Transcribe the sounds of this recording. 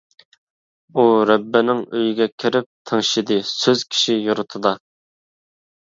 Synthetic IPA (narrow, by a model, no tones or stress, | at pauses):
uɾɛbːɪnɪŋøjyɡʲɛkʲʰiɾɪp̚t̪ʰeŋʃid̪ɨsøz̥kʲʰi̥ʃijuɾʊt̪ʰɨd̪ɑ